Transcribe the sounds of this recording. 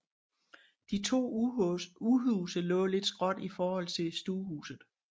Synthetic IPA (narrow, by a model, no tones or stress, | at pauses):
d̥it͡sʰo̝̰ː | uɦuːsəlɔ̰̽ːle̝d̥sɡ̥ʁɒ̽d̥ifɒːhɒ̽l̰t͡sʰe̝sd̥uːhṵːsð̩ˠ